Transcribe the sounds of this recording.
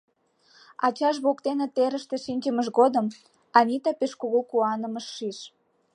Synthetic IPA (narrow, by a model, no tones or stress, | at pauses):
ɑt͡ɕɑʃ̬βokt̪enet̪eɾəʃt̪e̽ʃinʲkəməʃɣod̪əm | ɑnʲit̪ɑpeʃkuɣukuɑnə̆məʃːiʃ